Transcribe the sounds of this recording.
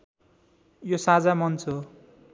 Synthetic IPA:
josad͡zamʌnt͡sʰo

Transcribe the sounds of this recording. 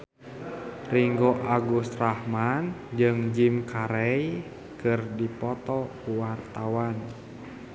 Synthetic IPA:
riŋɡɔʔaɡust̪rahmand͡ʒɨŋd͡ʒimkʰaɾɛj | kɨrdipɔt̪ɔkuwart̪awan

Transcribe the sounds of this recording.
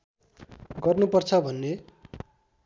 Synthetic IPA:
ɡʌrnupʌrt͡sʰʌbʱʌnːe

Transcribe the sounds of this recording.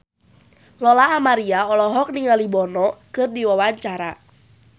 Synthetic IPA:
lɔlaːmaɾiaɔlɔɦɔk̚niŋalibɔnɔkɨrdiwawaɲt͡ʃaɾa

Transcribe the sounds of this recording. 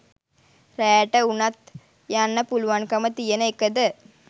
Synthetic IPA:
ɾeːʈːɐunɐt̪ | janːɐpulʋaːnkɐmɐt̪ijɐnɐɪkːɐd̪ɯ

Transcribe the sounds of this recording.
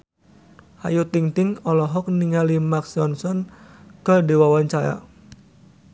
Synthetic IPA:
hajut̪iŋt̪ɪŋɔlɔɦɔk̚niŋalimaksɔnsɔnkədewawaɲt͡ʃaɾa̰

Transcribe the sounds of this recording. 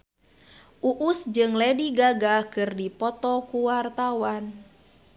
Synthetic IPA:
ʔuʔusd͡ʒɨŋlɛdiɡaɡakɨrdipɔt̪ɔkuwart̪awan

